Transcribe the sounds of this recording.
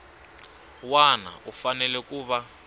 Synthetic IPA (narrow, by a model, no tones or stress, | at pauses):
wana̰ufanɛlɛk̬ʼuːɓa